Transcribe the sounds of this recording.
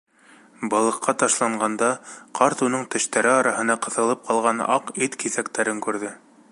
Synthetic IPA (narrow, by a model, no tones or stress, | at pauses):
bɑlˠɤ̆qʰːɑt̪ɑʃlˠɑɴɢɑnd̪ɑqʰɑɾt̪unɤɴt̪ɘ̆ʃt̪æɾɘɑɾɑɦɤ̆nɑqɤ̆θɤ̆lˠɤp̚qʰɑlˠʁɑnɑ̰qit̪kiθækt̪æɾɘŋkʉɾðɘ